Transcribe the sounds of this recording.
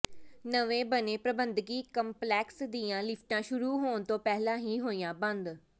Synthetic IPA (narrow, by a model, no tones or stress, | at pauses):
nəʋẽːbənẽːpɾəbənd̪ɡiːkəmplɛːksd̪iːãːlɪpʰʈãːʃʊɾuːɦoːnt̪õːpɛːɦlãːɦiːɦoːijãːbənd̪